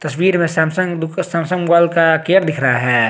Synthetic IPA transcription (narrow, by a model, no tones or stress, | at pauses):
t̪ɐswiːɾmẽsɛːmsə̃ŋd̪ʊkʰsãːmsə̃ŋɡwaːlkakeːəɾd̪ɪkʰɾɐɦaɦɛː